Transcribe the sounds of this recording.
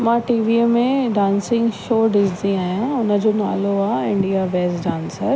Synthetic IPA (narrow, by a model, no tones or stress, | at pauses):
mãʈiːʋimẽɖãːnsɪ̃ŋɡʃoːɖɪsd̪iaːɦjãʊnəd͡ʑona̰ːloaːɪ̃ɳɖijabeːsɖãːnsəɾ